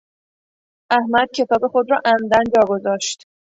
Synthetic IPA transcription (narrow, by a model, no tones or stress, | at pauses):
ʔæhmæd̪̥̚cʰe̞t̪ɒːbe̞xo̞d̪ɾɒːʔæmd̪ænd͡ʒɒːɡo̞zɒːʃt̪